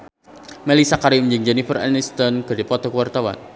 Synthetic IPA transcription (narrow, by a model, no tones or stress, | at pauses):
mɛlisakaɾiumd͡ʒəŋd͡ʒɛnifərɛ̰nist̪ɔnɡadipɔt̪ɔkəwart̪awa̰n